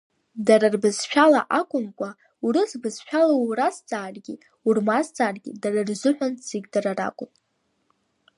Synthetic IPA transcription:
daɾɨrbɨzʃᶣala̰ʔakʷʼʊmkʷʼa | urɨzbɨzʃᶣalarast͡sʼaːrɡʲi | urmast͡sʼaːrɡʲḭdarɨrzʊħʷᶣanʼz̥eɡʲdaɾara̰kʷʼʊpʼ

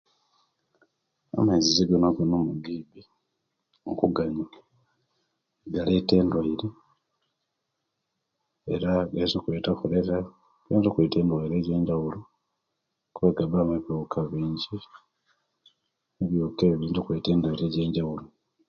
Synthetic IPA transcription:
a̰maiziziɡonaɡonomuɡiːbi | ŋkuɡaɲa | ɡalete̞ːndwaiɾe | eɾaɡazokuetakuɾeɾa | ɡeːzokweteːndwaiɾe̞ːɟe̞ːɲɟawulo | kuβaɡabamaβokʰaβeːɲɟi | eβjokeβiːntukweːteːndwaiɾeɟe̞ːɲɟawulo

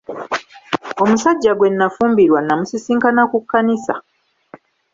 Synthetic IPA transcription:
o̞musaɟːaɡwe̞nːafuːmbiɾwanːamusisiːŋkanakukːanisa̰

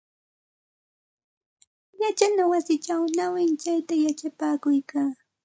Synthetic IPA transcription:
jat͡ʃanawasɪt͡ʃawnawɪnt͡ʃajt̪ajat͡ʃapaːkʊjkaː

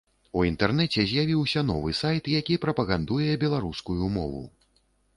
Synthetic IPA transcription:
uint̪ɛrnɛt͡sʲɛzʲjavʲiwsʲɐn̪ɔvɨsajt̪jakʲipɾɐpɐɣand̪ujɛjɛbʲɛlˠaɾuskujumɔ̰vṵ

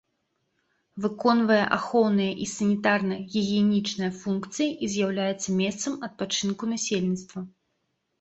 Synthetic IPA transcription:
vɨkɔnvɐjɛ̰ʔaxɔwnɨjɐʔisɐnʲit̪arnɐjɣʲiɣʲiɛnʲit͡ʂnɐjɐfunkt̪sɨjiʔizʲjawlʲajɛt̪sːɐmʲɛst̪sɐmɐt̪̚pat͡ʂɨnkunasʲelʲnʲit̪st̪vɐ

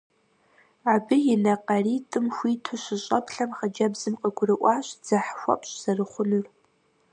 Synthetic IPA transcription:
abɨjɪnɐqɐriːtʼɨmxʷiːtʰʊɕɪɕʼɐ̰pɬɐmχɐd͡ʒɐbzɨmqəɡʷʊrɨʔʷɑːɕʼd͡z̥ɐħxʷɐ̰pʼɕʼz̥ɐrɨχʷʊnɨr

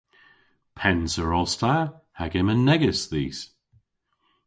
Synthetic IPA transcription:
pʰɛnsəɹɔstʰahaɡɪmənːɛɡəsðḭːs

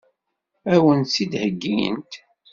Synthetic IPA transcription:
æwənsid̪həɡːijə̰nt̪

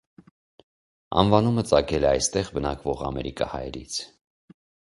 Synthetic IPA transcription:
ɑ̰nvɑnumət͡sɑkʰɛlɛɑjst̪ɛʁbənɑkvɔʁɑ̰mɛɾikɑhɑ̰jɛɾḭt͡sʰ

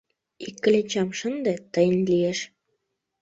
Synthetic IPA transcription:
ikːə̆let͡ɕɑmʃənd̪et̪əjənlieʃ

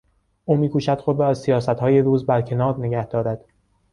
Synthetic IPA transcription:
ʔuːmiːkʰuːʃæd̪̥xod̪ɾɒæzsijɒːsæt̪hɒːjeɾuːzbæɾcʰe̞nɒːɾne̞ɡæhd̪ɒːɾæd̪̥

